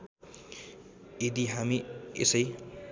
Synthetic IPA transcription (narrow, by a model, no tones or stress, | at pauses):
ed̪iɦamiḛsʌj